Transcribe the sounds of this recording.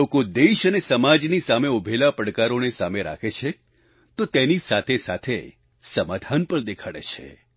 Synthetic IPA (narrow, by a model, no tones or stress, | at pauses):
okod̪eʃənesəmad͡ʒnisameʊbʱelapəɽkaɾonesameɾa̰kʰet͡ʃʰe | t̪ot̪enisat̪ʰesa̰t̪ʰe | səmad̪ʱanpəɳd̪ekʰaɽḛt͡ʃʰḛ